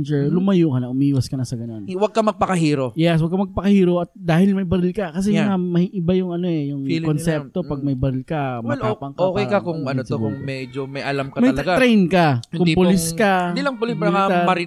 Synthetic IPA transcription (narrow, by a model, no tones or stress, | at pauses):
d͡ʒɛlʊmɐjuːkɐnɐʔʊmiːwɐskɐnɐsɐɡɐno̞nwɐɡ̚kɐmɐɡ̚pɐkɐɦiːɾojɛs̬wɐɡkamɐɡ̚pɐkɐhiːɾoʔɐt̪̚d̪aːhɪlmɐjbɐɾɪlkɐkɐs̬ɛŋamɐhiʔɪbajʊŋɐnoɛjʊŋkonsɛp̚t̪o̞pɐɡ̚mɐjbɐɾɪlkɐmmwɛlopɐŋkoːkɛjkɐkʊŋɐnosoɡʊŋmɛd͡ʒomɐjʔɐlamkɐmɐjɐlɐɡaɾɛjnkɐkʊd̪polɪskɐd̪ilɐŋpʊlɪspɾŋat̪ɐmɐɾɪ